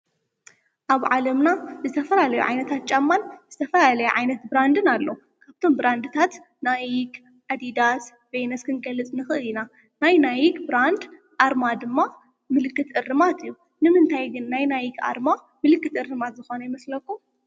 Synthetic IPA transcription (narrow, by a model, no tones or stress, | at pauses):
ʔaβʕalɐmnazɨt̪ʰɐfɐlalɐjṵʕa̰jnɐt̪ʰat̪̚t͡ʃʼamːanzɨt̪ʰɐfɐlalɐjuʕajnɐt̪bɾand̪ɨnalːo | kʰaβt̪ʰo̞mbɾand̪ɨt̪ʰat̪ | najik | ʔad̪id̪at̪ | vejnɐskʰɨnɡɐlɨt͡sʼnɨxɨʔɨlina | najnajikʼbɾand̪ | ʔaɾmad̪ɨmːa | mɨlɨkːɨt̪ɨrːɨmat̪ɨjːu | nɨmɨnt̪ʰajɡɨnːajnajika̰ɾma | mɨlɨkːɨt̪ɨrːɨmat̪zɨxo̞nɐjɪmɐslɐkːu